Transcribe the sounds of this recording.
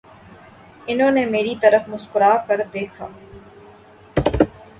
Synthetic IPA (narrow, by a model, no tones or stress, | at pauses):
ɪnɦõːnemeːɾit̪ɐɾəfmʊskʊɾaːkɐɾd̪eːkʰa̰ː